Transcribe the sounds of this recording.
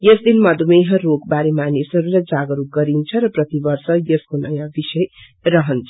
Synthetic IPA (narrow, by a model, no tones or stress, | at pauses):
jʌsd̪ilmʌd̪ʱumejɦʌ̃rokbaɾemanisɦʌɾulajd͡zaɡʌɾuɡʌɾint͡sʰʌɾʌprʌt̪ibʌrsʌjʌskonʌjãbisʌj | rʌɦʌnt͡sʰʌ̥